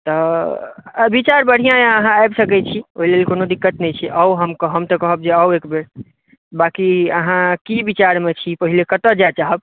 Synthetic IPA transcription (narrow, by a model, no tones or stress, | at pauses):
t̪ɔ | bit͡ʃaɾbəɽ̤ijãjaəɦãajbsəkɛt͡ʃʰioɦilelkonod̪ikːət̪nɛt͡ʃʰiʔəwɦəmkəɦəmt̪ɔkəɦəb̚d͡ʒeəwekbeɾ | bakiəɦãkibit͡ʃaɾmet͡ʃʰipəɦilekət̪əd͡ʒat͡ʃaɦəb̚